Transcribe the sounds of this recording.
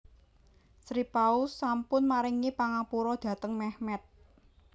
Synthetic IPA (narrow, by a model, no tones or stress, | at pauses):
sɾipaʊsːampʊnmaɾɪŋepaŋapuɾɔd̪̥ä̤t̪əŋmɛhmɛt̪̚